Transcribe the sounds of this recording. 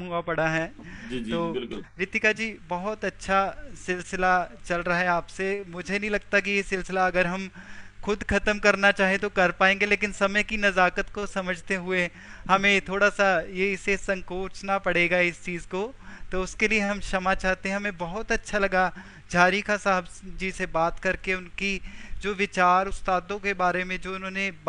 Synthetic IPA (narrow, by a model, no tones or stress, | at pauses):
ɦuapɐɽaɦɛː | d͡ʒit̪oːɪlɾɪt̪ikad͡ʒiːbɐɦʊt̪ɐtːʃʰasɪlsɪlat͡ʃɐlɾɐɦaɦɛaːpsemʊd͡ʒʱenɐɦĩlɐɡ̚t̪akijesɪlsɪlaɐɡəɾɦɐmxʊd̪kʰɐt̪əmkɐɾnat͡ʃaːɦiẽt̪̬okɐɾpaːẽːŋɡeleːkɪnsɐməjkinɐzaːkət̪kosɐməd͡ʒʱt̪eɦʊe | hɐmẽt̪ʰoːɽasajesesɐ̃ŋkoːt͡ʃnapɐɽeːɡaɪst͡ʃiːzkot̪oʊskelieɦɐmʃɐmat͡ʃaːɦt̪ẽɦɛ̃ɦɐmẽbɐɦʊt̪ɐtːʃʰalɐɡa | d͡ʒʱaːɾikasaɦəbd͡ʒisebaːt̪kɐɾkeʊnkid͡ʒoːʋɪt͡ʃaːɾʊst̪aːd̪õkebaːɾemẽd͡ʒoːʊnɦõːne